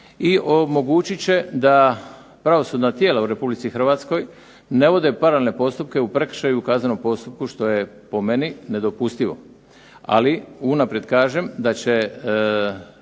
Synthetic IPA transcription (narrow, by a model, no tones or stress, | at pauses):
iʔomo̞ɡut͡ɕit͡ɕe̞d̪a | pɾaʋo̞sud̪nat̪je̞ːlauɾe̞publit̪sixr̩ʋat̪sko̞j | ne̞ʋo̞d̪e̞paɾalelne̞po̞st̪up̚keupɾe̞kr̥ʃajuukaːzanompo̞st̪up̚kuʃt̪o̞je̞po̞me̞nine̞d̪o̞pust̪iʋo̞̰ | a̰liunapɾje̞d̪kaːʒe̞md̪at͡ɕe̞